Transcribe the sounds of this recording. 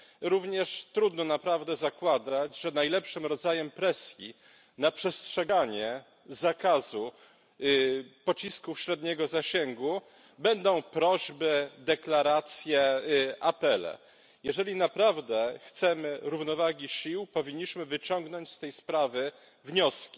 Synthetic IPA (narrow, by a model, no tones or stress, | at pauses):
ɾuvɲɛʂt̪ɾud̪nɔnapɾavd̪ɛzakwad̪ad͡ʑʐɛnajlɛpʂɘmɾɔd̪zajɛmpɾɛsʲjḭ | napʂɛstʂɛɡaɲɛ | zakazu | pɔt͡ɕiskufɕɾɛd̪ɲɛɡɔzaɕɛŋɡu | bɛnd̪ɔ̃w̃pɾɔʑbɘd̪ɛklaɾat̪sʲjɛʔapɛlɛ̰ | jɛʐɛlʲinapɾavd̪ɛxt̪sɛmɘɾuvn̪ɔvaɡʲiɕiwpɔvʲiɲːiɕmɘvɘt͡ɕɔŋɡnɔɲt͡ɕst̪ɛjspɾavɘ | vɲɔskʲi